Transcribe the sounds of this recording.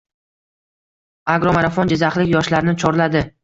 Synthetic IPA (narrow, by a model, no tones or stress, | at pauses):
aɡɾɒmaɾafɒnd͡ʒɪzaχlɪkʲjɒʃlaɾnɪt͡ʃʰɒɾlad̪ɪ